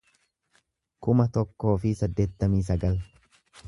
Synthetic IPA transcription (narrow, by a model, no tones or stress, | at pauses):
kʊmɐt̪ɔkːo̞ːfɪsɐd̪ːe̞ːt̪ːɐmiːs̬ɐɡɐl